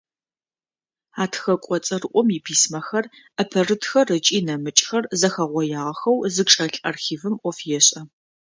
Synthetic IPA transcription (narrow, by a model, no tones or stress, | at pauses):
aːtʰxɐkʷʼɔt͡sʼɐrʔʷʼɔmipʰiːsmɐxɐr | ɐpʰɐrɨtxɐrɨt͡ʃʼiːnɐmɨt͡ʃʼxɐrzɐxɐʁʷɔjaːʁɐxɐwzɨʈ͡ʂʼɐɬʼɐrxiːvɨmʔʷɔfjɛɕʼɐ